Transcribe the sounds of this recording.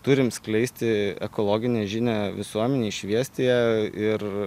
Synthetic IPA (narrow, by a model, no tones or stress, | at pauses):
t̪ʊɾʲɪmsklʲɛɪsʲt̪ʲɪɛ̰koːlˠoːɡʲɪnʲeːʒʲɪnʲæːʋʲɪsuɔmʲɛnʲeːʃʲʋʲiɛsʲt̪ʲeːjɛɪr